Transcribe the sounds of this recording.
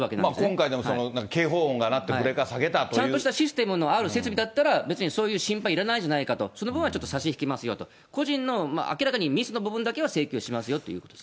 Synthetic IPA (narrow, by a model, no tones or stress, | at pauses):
βakenã̰nmakõ̞ŋkaid̪e̞mosononãŋkake̞ːɦoːõŋɡanat̪ːe̞kɯ̟ɾe̞kasaɡe̞t̪at̪ot͡ɕãnɯoɕi̥t̪aɕisɨ̥t̪e̞mɯ̟no̞aɾɯ̟se̞t͡sɨbʲid̪at̪ːaɾabe̞t͡sɨɲ̟iso̞ːjɯːɕĩmpaiɾanaĩd͡ʑanaikat̪o̞so̞no̞bɯ̟̃ɰ̃at͡ɕo̞t̪ːosaɕiçi̥kʲimasɨjo̞t̪o̞ | ko̞ʑĩnːo̞ma̰ʔa̰kʲiɾakaɲ̟imʲisɨno̞bɯ̟bɯ̟̃nd̪ake̞βase̞ːkʲo̞ːɕimasɨjo̞t̪ːo̞jɯ̟ːkot̪od̥̪s